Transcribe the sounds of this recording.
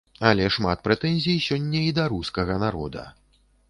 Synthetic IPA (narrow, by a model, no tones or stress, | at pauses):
ɐlʲɛʂmat̪̚pɾɛt̪ɛnʲzʲijsʲɔnʲːɐid̪ɐɾuskɐɣɐnaɾɔ̰d̪ɐ̰